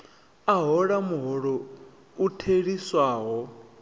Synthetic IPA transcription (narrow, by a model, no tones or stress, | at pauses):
aɦɔɺamuɦɔɺɔ | utʰeɺiswaːɦɔ